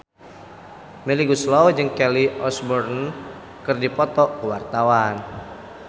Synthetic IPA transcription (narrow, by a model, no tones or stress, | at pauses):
mɛliɡuslɔwd͡ʒɨŋkɛliʔɔsbɔrn | kɨrdipɔt̪ɔkəwart̪awan